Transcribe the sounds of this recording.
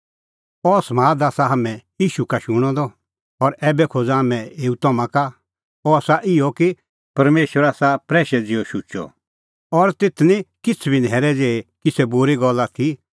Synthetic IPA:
ɔsmaːd̪aːsaɦɐmɛ̃jiːʃukaʃʊɽ̃ɔ̃d̪ɔ | ɔɾɛːbɛkʰod͡zaɦamɛ̃eːut̪ɐmãka | ɔaːsaʔɪɔki | pɐɾmeːʃʋəɾaːsapɾɛːʃɛd͡zɪɔʃʊt͡ʃɔ̰ | ɔɾt̪et̪ʰnĩkɪt͡sʰbinɦɛːɾɛd͡zeːekisɛboɾiɡɔlːat̪ʰi

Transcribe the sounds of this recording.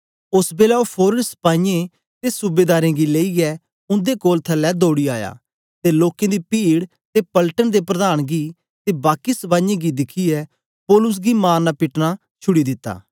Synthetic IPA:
ʊsbeːlɛːopʰoːɾəspãːjẽ | t̪esʊbeːd̪aːɾẽːɡileːiɡɛ | ʊ̃nd̪ekoːlt̪ʰəlɛd̪oːɽiaːja̰ː | t̪eloːkẽd̪iːpiːɽ | t̪epəlʈənd̪epɾəd̪aːɽ̃ɡiː | t̪ebaːkisbãːjẽɡid̪ɪkʰiɛ | poːlʊs̬ɡimaːnapɪʈna | t͡ʃʰʊɽid̪ɪt̪ːa̰ː

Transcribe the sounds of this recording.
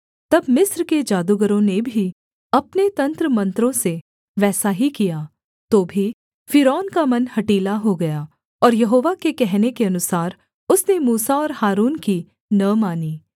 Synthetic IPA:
t̪ɐbmɪsɾked͡ʒaːd̪uɡəɾõnebʱi | ɐpnet̪ɐ̃nt̪ɾəmɐ̃nt̪ɾõse | ʋɛːsaɦikijaː | t̪oːbʱi | fɪɾɔːnkamɐnhɐʈiːlaɦoɡɐjaː | ɔːɾjɐɦoːʋakekɛɦnekeɐnʊsaːɾ | ʊsnemuːsaɔːɾhaːɾuːnki | nɐmaːniː

